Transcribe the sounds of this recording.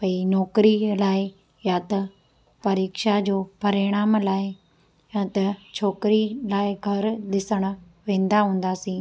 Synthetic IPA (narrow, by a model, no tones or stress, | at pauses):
pɐinɔːkɾilaːɪ | jaːt̪ɐ | pɐɾiːkʃad͡ʑoːpɐɾeːɽ̃aːmlaːɪ | jat̪ɐt͡ɕʰɔːkɾilaːɪɡʱɐɾɗ̪ɪsəɽ̃ʊ̆ | ʋẽːn̆d̪aɦũːn̆d̪aːsĩː